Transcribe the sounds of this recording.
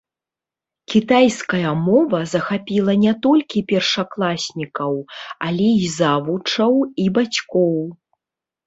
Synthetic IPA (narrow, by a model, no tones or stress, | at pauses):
kʲit̪ajskɐjɐmɔvɐzɐxapʲilˠɐnʲɛt̪ɔlʲkʲipʲɛrʂaklˠasʲnʲikɐwalʲɛizavut͡ʂɐwibat͡sʲkɔw